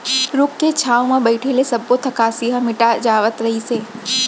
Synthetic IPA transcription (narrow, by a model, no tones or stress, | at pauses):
ɾokːet͡ʃʰawmãbəɪʈʰelesəbːot̪ʰəkaːsiɦəmɪʈad͡ʒaːʋət̪ɾəɦise